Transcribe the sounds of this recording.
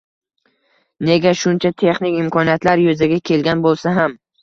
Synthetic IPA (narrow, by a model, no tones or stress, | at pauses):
ne̞ɡʲaʃʊnt͡ʃʰat̪ʰe̞χnɪkʲɪmkʰɒnijat̪laɾjɵzaɡʲakʲʰe̞lɡʲanbolˠsaɦam